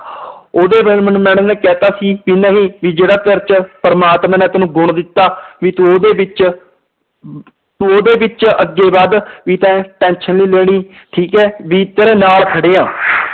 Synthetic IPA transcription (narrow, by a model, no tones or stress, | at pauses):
oːd̪eːʋəmnũːmɛ̃ːnənɛːkɛːt̪aːsiːʋiːnəːɦĩːʋiːd͡ʒeːɽaːt̪əɾt͡ʃpəɾəmaːt̪mãːnɛ̃ːt̪ənũːɡʊɳd̪ɪt̪ːaːʋiːt̪oːd̪eːbɪt͡ʃ | t̪ʊoːd̪eːbɪt͡ʃəɡːeːbaːd̪ʋiːt̪ɛ̃ːʈɛ̃ːnʃənliːleːɽ̃iːʈʰiːkɛːʋiːt̪eːɾeːnaːlkʰəɽeːãː